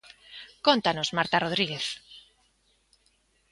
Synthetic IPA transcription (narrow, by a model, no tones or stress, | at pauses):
kont̪anosmaɾt̪aroð̞ɾiɣeθ